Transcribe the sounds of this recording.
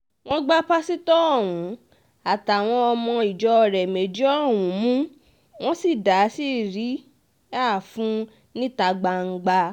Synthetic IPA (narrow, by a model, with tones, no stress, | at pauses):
w̃ɔ̃˦ɡ͡ba˦pa˦si˦tɔ˦ɔ˦˨w̃ũ˨˦ | a˨ta˨w̃ɔ̃˧ɔ˧mɔ̃˧i˨d͡ʒɔ˧ɾɛ˨me˨d͡ʒi˦ɔ˦˨wũ˨˦mũ˦ | w̃ɔ̃˦si˦˨da˨˦si˦˨ɾi˨˦ | a˦˨fũ˨˦ | nĩ˦ta˧ɡ͡ba˧ŋ̩˧ɡ͡ba˧